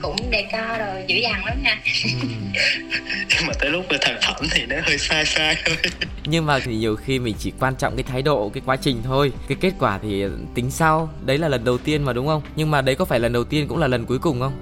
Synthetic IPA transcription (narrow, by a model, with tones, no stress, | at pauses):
kʊ̰˧˥ŋ͡mɗe˧˩kɔ˧zo˨˩jzɨ̰˧˥zaː˨˩ŋʔə˨˦ɲaː˧˩˧ | maː˨˩t̪ə̰ː˧˦jlʊ˦˥k͡p̚ləː˨˩t̪ʰa˧˩ŋfə˧˩mt̪ʰi˨˩nɔ˨˦həː˧jsaː˧jsaː˧jt̪ʰo˧j | ɲɨ˧ŋmaː˨˩i˨˩ɲi˨˩əwxi˧mï˨˩ŋ̟t͡ɕi˧˩kwaː˧nt͡ɕɔ̰˧˨wŋ͡mkaː˨˦jt̪ʰaː˨˦jɗo̰˧˨kaː˨˦jkwaː˨˦t͡ɕï˨˩ŋ̟t̪ʰo˧jkaː˨˦jke˦˥t̚kwaː˧˩t̪ʰi˨˩t̪ï˨˦ŋ̟sa˧wɗə˨˦jlaː˨˩lə˨˩nɗə˨˩wt̪i˧ənmaː˨˩ɗʊ˨˦ŋ͡mxə˧wŋ͡mɲɨ˧ŋmaː˨˩ɗə˨˦jkɔ˨˦faː˧˩jlə˨˩nɗə˨˩wt̪i˧ənkʊ̰˧˥ŋ͡mlaː˨˩lə˨˩nku˨˦əjkʊ˨˩ŋ͡mxə˧wŋ͡m